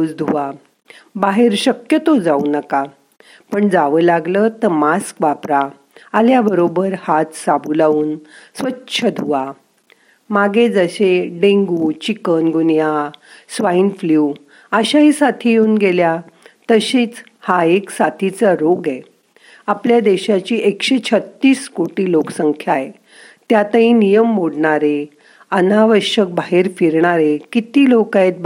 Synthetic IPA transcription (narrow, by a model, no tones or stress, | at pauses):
d͡zd̪ʱuʋa | baɦeɾɕəkjət̪od͡zaunəka | pəɳd͡zaʋəlaɡlət̪əmaskʋapɾa | aljabəɾobəɾhat̪sabulauːnsʋəːɕʰəd̪ʱuʋa | maɡed͡zəɕeɖẽŋɡut͡ɕikənɡʱunjasʋainfliː | əɕaɦisat̪ʰijeuːnɡelja | t̪əɕet͡s | haeksat̪ʰit͡saɾoɡɛ | apljad̪eɕat͡ɕiːʔekɕet͡ɕʰət̪ːiːskoʈiːloksəŋkʰjae | t̪jat̪əĩnijəmːoɽɳaɾe | ənaʋəɕək̚baɦeɾfiɾɳaɾekit̪iːlokãt̪̚